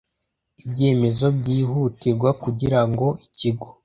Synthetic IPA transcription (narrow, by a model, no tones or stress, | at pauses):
ibɟe̞ːme̞zo̞bɟiːɦutiɾɡwakuɟiɾaŋɡo̞iciɡo